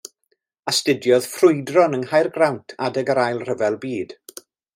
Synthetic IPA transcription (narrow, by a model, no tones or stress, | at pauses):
astɪdjɔðfrʊɨdrɔnəŋɦajrɡrawntʰadəɡəɾajlˠr̥əvɛlˠbiːd̥